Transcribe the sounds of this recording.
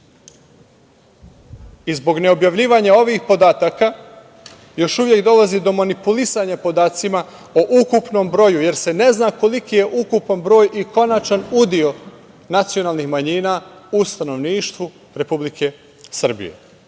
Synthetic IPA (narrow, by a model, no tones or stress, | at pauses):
izbo̞ɡne̞o̞bjaʋʎiːʋaɲao̞ʋixpo̞d̪aːt̪aka | jo̞ʃuʋje̞kd̪o̞lazid̪o̞manipulisaɲapo̞d̪aːt̪sima | oʔukupno̞mbɾo̞juje̞ɾse̞ne̞znako̞likije̞ʔukupanbɾo̞ːjiko̞nat͡ʃanud̪io̞ | nat̪sijo̞naːlˠnixmaɲiːnaːust̪ano̞ʋniːʃt̪ʋu | ɾe̞publikʰe̞ | sr̩bḭjḛ